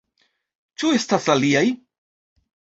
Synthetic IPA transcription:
t͡ʃuest̪asaliaj

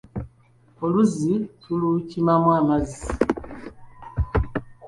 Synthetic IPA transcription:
oluzitulucimamwaːmazi

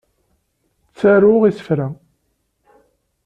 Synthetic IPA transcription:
t͡sːæɾʊʁisə̥fɾæ

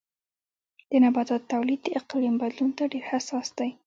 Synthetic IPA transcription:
d̪̥ənabɑt̪ɑt̪ːawlid̪̚d̪əʔɪqlimbad̪lunt̪aɖeɾhasɑsd̪̥aj

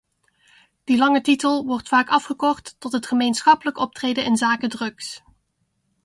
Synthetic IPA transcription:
d̥ilɑŋətitəlˠʋɔrtfaːkɑfχəkɔχtːɔtɦətχəmejnsχɑpələkɔp̚trejdənɪnzaːkədrɵks

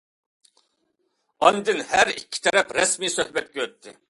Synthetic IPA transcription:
ɑnd̪ɨnhæɾikʲʰːi̥t̪ʰɛɾɛpɾɛsmisøhbɛt̪̚ɡʲøøt̪ʰːɪ

